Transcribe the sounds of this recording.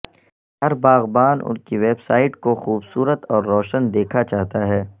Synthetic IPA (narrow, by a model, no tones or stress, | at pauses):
ɦɐɾbaːɣbaːnʔʊ̰nkiʋeːbsaːɪʈkoxuːbsuːɾət̪ɔːɾːɔːʃənd̪eːkʰat͡ʃaːɦt̪aɦɛː